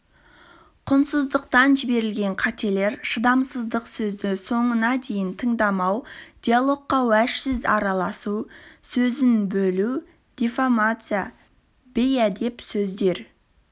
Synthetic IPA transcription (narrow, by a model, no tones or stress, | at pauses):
qʰʊnsəzd̪əqt̪ɑnʒɪbe̞ɾɪlɡʲe̞ɴqʰɑt̪e̞le̞ɾʃəd̪ɑmsəzd̪əqsɵzd̪ɪso̞ɴənɑd̪e̞jɪnt̪ʰəɴd̪ɑmɑwd̪̥ijalˠo̞qqːɑwæʃsɪzɑɾɑlˠɑsusɵzɪnbɵlu | d̪̥ifamat̪sɨja | b̥ejæd̪e̞psɵzd̪e̞ɾ